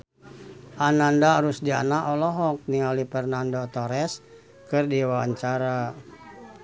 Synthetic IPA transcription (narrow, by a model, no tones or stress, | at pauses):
ʔanandaɾusdia̰naʔɔlɔɦɔk̚niŋalipɛrnandot̪ɔɾɛs | kɨrdiwaa̰ɲt͡ʃaɾa